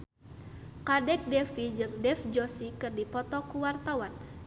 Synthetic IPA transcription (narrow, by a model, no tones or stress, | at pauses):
kadɛk̚dɛfid͡ʒɨŋdɛfd͡ʒɔsikɨrdipɔt̪ɔkuwart̪awan